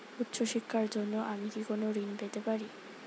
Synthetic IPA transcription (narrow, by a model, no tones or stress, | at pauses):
ut̪ːɕoʃikʰːaɾd͡ʑonːoʔamikikonoɾinbet̪epaɾi